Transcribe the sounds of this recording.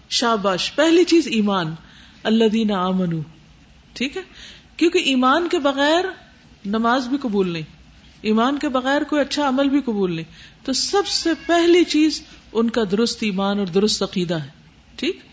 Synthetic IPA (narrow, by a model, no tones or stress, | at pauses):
ʃaːbaːʃpɛɦlit͡ʃiːziːmaːn | ɐlːɐðiːnaaːmɐnuː | ʈʰiːkɦɛːkjõːkeʔiːmaːnkebɐɣɛːɾ | nɐmaːzbʱikɐbuːlnɐĩː | iːmaːnkebɐɣɛːɾkoːiɐtːʃʰaɐməlbʱiqɐbuːlnɐɦĩt̪osɐbsepɛɦlit͡ʃiːzʊnkad̪ʊɾʊst̪iːmaːnɔːɾd̪ʊɾʊst̪ɐqiːd̪aɦɛː | ʈʰiːk